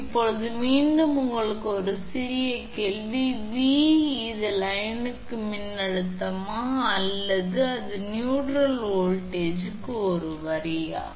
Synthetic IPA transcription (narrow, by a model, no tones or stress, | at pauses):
ɪpːɔɭɐðɯʋiːnɖɯmʊŋɡɐɭɯkːɯɔɾɯsɪɾɪjɐkɛlʋiʋiɪðɯlɐjɐnɯkːɯmɪnːɐɻɯt̪ːɐmaːɐlːɐðɯɐðɯnjuːʈɾɐloːɭʈeːd͡ʒɯkːɯɔɾɯʋɐɾɪja̰ː